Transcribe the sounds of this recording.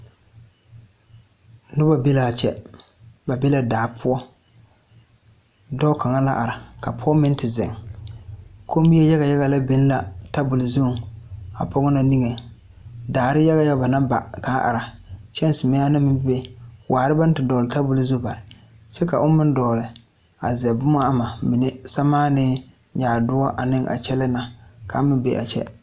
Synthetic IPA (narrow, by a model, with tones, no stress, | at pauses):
nʊ˦ba˨be˦la˨t͡ʃɛ˦ | ba˨be˦la˦˨daː˨pʰʊ˦ɔ˦ | dɔ˦ka˨ŋa˦la˦ʔa˨ɾa˨ka˨pʰʊ˦ɔ˦mɪ˦n˦tɪ˨zɪ̰˨ŋ | ko˦bi˦e˦ja˦ɣa˨ja˦ɣa˨la˦bɪ˨˦n˦la˨ta˦bʊ˨lɪ˨zu˦˨a̰˨pʰɔ˦ɡʊ˦na˨ni˦ŋe˨ | daː˨ɾɪ˦ja˦ɣa˦ja˦ba˨na˦ba̰˨ka˨˦ʔa̰˨ɾa˨t͡ʃɛ˦n˦sɪ˨mɛ˦a˦nɪ˦mɪ˦mbɪ˦be˦wʔaː˨ɾɪ˦ba˦n˦tɪ˨dɔː˨lɪ˨ta˦bʊ˦lzu˦ba˨ɾɪ˨ | sɛ˦ka˨ʔʊ˦mɪ˦n˦dɔː˨lɪ˨ | a̰˨zɛ˨bʊ˦ma˦a˦ma˨mɪ˨nɪ˦sa˦maː˦nɪ˦ | ɲaː˨dʊ˦ɔ˦ʔa̰˨nɪ˦ŋʔa̰˨t͡ʃɛ˦lɛ˦na˨kʰa˨˦mɪ˦bḛ˦ʔa̰˨t͡ʃɛ̰˦